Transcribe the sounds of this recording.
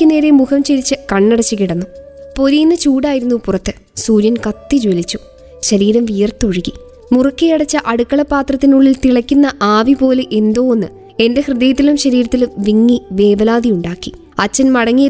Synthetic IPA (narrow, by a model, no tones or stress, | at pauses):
kʲːɨne̞ːɾe̞mukɐmt͡ɕelit͡ɕːɨkɐɳːɐɽɐt͡ɕːikiɽɐnːupo̞ɾijnːɨt͡ɕuːɽaːjiɾunːupurɐt̪ːɨ | suːɾjɐnkɐt̪ːid͡ʑolit͡ɕːu̥ | ɕɐɾiːɾɐmʋijɐrt̪oɻiɣi | murɐkːijɐɽɐt͡ɕːɐʔɐɽukːɐɭɐpːaːt̪rɐt̪ːinuɭːilt̪iɭɐkʲːunːɐʔaːʋipo̞ːleʔe̞nd̪o̞ːonːɨ | e̞nde̞hrɨðɐjɐt̪̬ːilumɕɐɾiːɾɐt̪ːilumʋiŋːiʋe̞ːbɐlaːd̪ijuɳɖaːkːi | ɐt͡ɕːɐnmɐɽɐŋːijɐ